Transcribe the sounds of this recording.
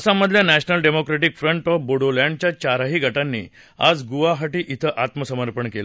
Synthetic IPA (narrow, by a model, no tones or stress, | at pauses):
əsaməd̪ʱljanæɕnəlɖemokɾeʈikfɾəɳʈəboɽoljãɳɖt͡ɕjat͡ɕaɾaɦiːɡʱəʈanːḭː | a̰d͡zɡuʋaɦaʈiːʔit̪ʰəʔat̪məsəməɾpəɳkela